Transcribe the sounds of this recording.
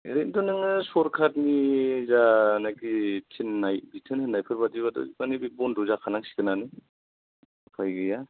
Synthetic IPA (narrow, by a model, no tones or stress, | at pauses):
eɾendɔnɯŋɯsɔɾkʰatnizanajɡitʰinːajbitʰɯnhɯnːajpʰɯɾbadiβadɔ̰banibibɔndɔzakʰanaŋsi̥kʰɯnanɯ | pʰajɡɯja